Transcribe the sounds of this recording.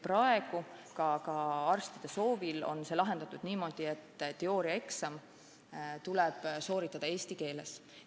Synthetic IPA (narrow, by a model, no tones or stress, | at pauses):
prɑe̞ɡ̥ukɑkɑɑrst̪id̪̥e̞so̞ːvilo̞̰nse̞ːlɑɦe̞nd̪̥ɑt̪ːˑud̪̥niːmo̞d̪̥iet̪ːt̪eo̞ːɾiɑeksɑm | t̪ulɛb̥so̞ːɾit̪ːˑɑd̪̥ɑe̞ːst̪ike̞ːle̞s